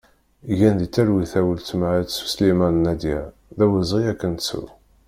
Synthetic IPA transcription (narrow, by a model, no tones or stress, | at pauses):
jænðit͡sːæɾwiθæwəlt͡smaʕæt̪su̥slimænnæd̪jæ | ðæwəzˤʁiækːənt̪sṵ